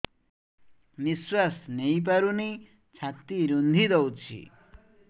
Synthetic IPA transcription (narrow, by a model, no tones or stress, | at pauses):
miswasnʌjp̬aɾune | t͡sʰat̪ːiɾund̪ʱid̪ʌwt͡sʰḭ